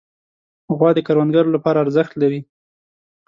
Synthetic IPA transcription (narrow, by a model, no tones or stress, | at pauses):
ɣwɑd̪əkaɾwand̪ɡaɾolapɑɾaːɾzəxt̪laɾi